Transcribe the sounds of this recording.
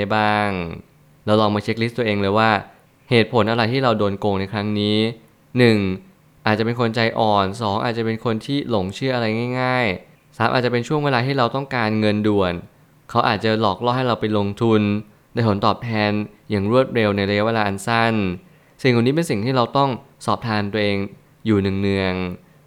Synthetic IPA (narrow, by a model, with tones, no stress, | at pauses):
baː˥˩ŋ | lɛː˦˥wlɔː˧ŋmaː˧t͡ɕʰe˦˥k̚li˦˥t̪u˧əʔeː˧ŋlɤː˧jwaː˥˩ | heː˨˩t̪̚pʰo˩˦nʔa˧ɾa˧jt̪ʰiː˥˩ɾa˧wdoː˧nkoː˧ŋna˧jkʰɾa˦˥ŋniː˦˥ | nɯ˨˩ŋ | ʔaː˨˩t̪̚t͡ɕa˨˩pe˧nkʰo˧nt͡ɕa˧jʔɔː˨˩nsɔː˩˦ŋʔa̰˨˩t̪̚t͡ɕa˨˩pe˧nkʰo˧nt̪ʰiː˥˩lo˩˦ŋt͡ɕʰɯ˥˩ʔa˧ɾa˧jŋaː˥˩jŋaː˥˩j | saː˨˩˦mʔa̰˨˩t͡ɕa˨˩pe˧nt͡ɕʰu˥˩əweː˧laː˧t̪ʰiː˥˩ɾa˧wt̪ɔ˥˩ŋkaː˧nŋɤ˧ndu˨˩ən | kʰa˦˥wʔaː˨˩t̪̚t͡ɕa˨˩lɔː˨˩k̚lɔː˥˩ha˥˩jɾa˧wpa˧jlo˧ŋt̪ʰu˧n | da˧jt̪ʰo˩˦nt̪ɔː˨˩p̚t̪ʰɛː˧njaː˨˩ŋɾu˥˩ət̪̚ɾe˧wna˧jɾa˧ja˦˥weː˧laː˧ʔnsa˥˩n | si˨˩ŋka˨˩niː˦˥pe˧nsi˨˩ŋt̪ʰiː˥˩ɾa˧wt̪ɔ˥˩ŋ | sɔː˨˩p̚t̪ʰaː˧nt̪u˧ə˧ʔeː˧ŋ | juː˨˩nɯ˨˩ŋnɯ˨˧˩əŋ